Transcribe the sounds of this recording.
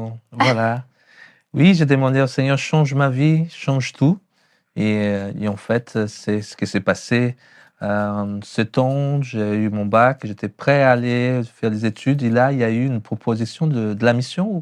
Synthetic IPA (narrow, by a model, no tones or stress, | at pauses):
vwala | wiʒed̪əmɑ̃d̪eosɛɲœʁʃɑ̃ʒmaviʃɑ̃ʒt̪ʰu | eḛɑ̃fɛt̪sɛsə̥kʲisɛpase | ø̃sət̪ɑ̃ʒeymɔ̃bakʒet̪ɛpχɛaːlefɛʁlezet̪ʰyd̪elailjayːnpχɔpʰozisjɔ̃d̪əd̪əlamisjɔ̃